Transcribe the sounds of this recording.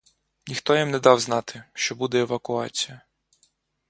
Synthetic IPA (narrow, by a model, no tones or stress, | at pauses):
nʲixt̪ɔjimnɛd̪ɑwznɑt̪ɪʃt͡ʃɔbud̪ɛːʋɐkʊɑt͡sʲijɐ